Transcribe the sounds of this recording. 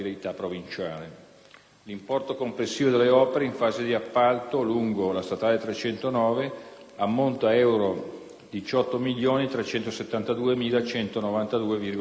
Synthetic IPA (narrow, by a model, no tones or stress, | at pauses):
lit̪apːɾovint͡ʃaːle | limpɔrt̪okomplesːiːvod̪elːeɔːpeɾeiɱfaːzed̪iapːalt̪oluŋɡolast̪at̪aːlet̪ɾet͡ʃɛnt̪onɔːve | amːont̪aɛwɾo | d̪it͡ʃɔt̪ːomiʎːjoːnit̪ɾet͡ʃɛnt̪oset̪ːant̪ad̪uːemiːlat͡ʃɛnt̪onovant̪ad̪uːevirɡ